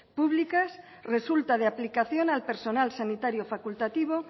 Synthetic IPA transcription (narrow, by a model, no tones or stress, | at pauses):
puβlikas | re̞sult̪aðeaplikaθjo̞nalpe̞ɾso̞nalsanit̪aɾjofakult̪at̪iβ̞o̞